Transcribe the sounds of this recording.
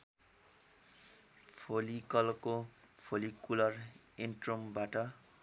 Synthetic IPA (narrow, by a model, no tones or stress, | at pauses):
pʰolikʌlko | pʰolikulʌr | enʈrombaʈʌ